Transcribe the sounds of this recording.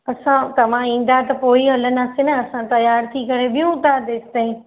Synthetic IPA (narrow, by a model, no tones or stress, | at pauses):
ɐsãt̪ɐʋ̤ãĩːn̆d̪at̪ɐpoːiɦɐlənaːsenɐɐsãt̪ɐjaːɾt̪ʰikɐɾeɓɪjũt̪aːd̪eːsɪ̥t̪ãːĩː